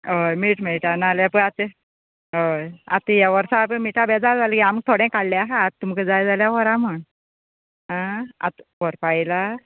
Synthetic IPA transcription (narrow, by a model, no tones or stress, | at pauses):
ɦojmiːʈmeɭʈanaljapəɳat̪e | ɦoja̰t̪ejaʋəɾsapəɳmiʈabɛd͡zad͡zaləkiamək̚t̪ʰoɽɛ̃kaɽlɛaɦaːt̪ːumkəd͡zajd͡zaljakɔɾaməɳ | ɦãa̰t̪kɔɾpaila